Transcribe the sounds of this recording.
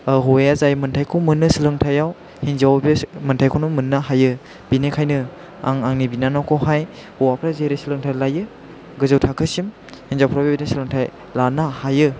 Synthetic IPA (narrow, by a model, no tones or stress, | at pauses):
ɦojazajmɯntʰajkʰowmɯnːɯsilɯŋtʰajaw | hinzawbimɯntʰajkʰunumɯnːaɦajɯ | b̥inekʰajnɯ | aŋaŋnibinanɔkʰɔɦaj | uwapʰɾazeɾesilɯŋtʰajlajɯ | ɡɯzɯwtʰakʰɯsim | hinzawpʰɾawbibinɯsilɯŋtʰaj | lanahajɯ